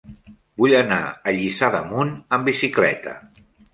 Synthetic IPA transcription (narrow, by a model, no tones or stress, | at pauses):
buʎəna̰əʎisaðəmunəmbisiklɛ̰t̪ə̰